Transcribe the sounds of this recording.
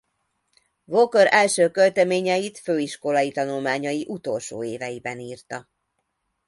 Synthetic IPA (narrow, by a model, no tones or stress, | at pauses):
vokøɾɛlʃøːkølt̪ɛmeːɲɛjit̪føːiʃko̞lɒjit̪ɒnulmaːɲɒjiʔut̪olʃo̰ːeːvɛjibɛniːrt̪ɒ